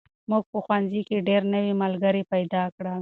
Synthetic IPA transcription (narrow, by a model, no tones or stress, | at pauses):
muɡ̚pəxwanzikeɖeɾnəwimalɡəɾipajd̪ɑkɽa